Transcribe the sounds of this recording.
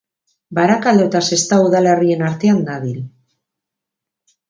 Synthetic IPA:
baɾakald̪ot̪ase̞st̪auðale̞rie̞naɾt̪e̞and̪aβil

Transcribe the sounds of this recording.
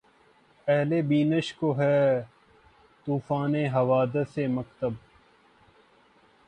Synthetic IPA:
pɛɦlebiːnəʃkoɦɛː | t̪uːfaːneɦɐʋaːd̪əseməkt̪əb̚

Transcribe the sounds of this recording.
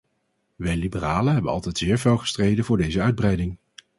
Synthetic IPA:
ʋɛjlibəraːləɦɛbənɑ̰lˠtɛjtz̥ɪːɹvɪlˠχə̥strejdənvʊːɹdejzəœɥd̚brɛjdɪŋ

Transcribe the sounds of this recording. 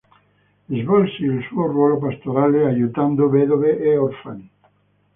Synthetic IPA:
ezβolsielsuorwolopast̪oɾaleaʎut̪and̪oβeðoβeʔeoɾfani

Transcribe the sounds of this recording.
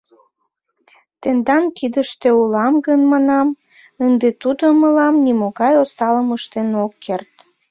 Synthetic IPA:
t̪end̪ɑnkid̪əʃt̪eulɑmɡənmɑnɑm | ənd̪et̪ud̪oməlɑmnimoɣɑjosɑləməʃt̪enokːert̪

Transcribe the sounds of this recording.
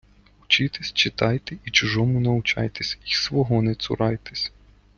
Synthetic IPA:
ʊt͡ʃɪt̪ɪsʲt͡ʃɪt̪ɑjt̪eit͡ʃʊʒɔmʊnɐʊt͡ʃɑ̰jt̪esʲisʋɔɦɔnɛt̪sʊ̰ɾɑjt̪e̥sʲ

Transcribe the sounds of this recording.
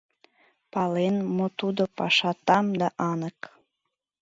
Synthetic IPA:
pɑlenmot̪ud̪opɑʃɑt̪ɑmd̪ɑʔɑnək

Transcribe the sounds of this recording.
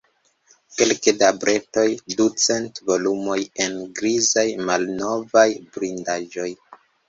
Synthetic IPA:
ke̞lkedabɾe̞to̞jdut͡se̞ntvo̞lumo̞je̞nɡɾizajmalno̞vajbɾindaʒo̞j

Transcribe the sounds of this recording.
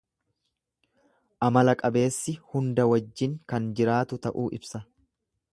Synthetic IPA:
ʔɐmɐlɐkʼɐbe̞ːsːɪhʊnd̪ɐwɐd͡ʒːɪŋkɐnd͡ʒɪɾaːt̪ʊt̪ɐʔuːʔɪ̰bsɐ

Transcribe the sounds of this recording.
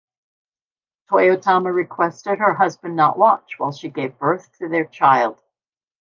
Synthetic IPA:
tʰɔɪoʊtʰɑməɹɨkʰw̥ɛstɨɾ̚ə˞ɦʌzbɨ̃nːəʔwɑt͡ʃwaɪlˠʃiɡeɪvbɜ˞θtʰɨðə˞t͡ʃʰaɪlˠd̥

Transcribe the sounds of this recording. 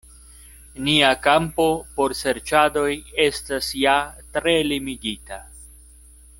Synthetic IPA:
niakampo̞po̞ɾse̞ɾt͡ʃado̞je̞stasjatɾe̞limiɡita

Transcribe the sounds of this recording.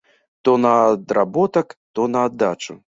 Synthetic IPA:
t̪ɔnɐd̪rabɔt̪ɐkt̪ɔnɐːd̪ːat͡ʂu

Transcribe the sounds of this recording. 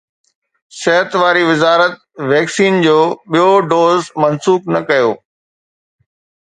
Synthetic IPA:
sɛɦət̪ʋaːɾiʋɪzaːɾət̪̚ʋɛːksiːnd͡ʑoːɓijoɖoːzmɐnsuːk̚nɐkɐjoː

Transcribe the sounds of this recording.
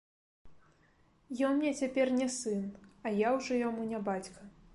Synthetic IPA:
jɔnmnʲɛt͡sʲapʲɛrnʲɛsɨnɐjawʐɔjamunʲɛbat͡sʲkɐ

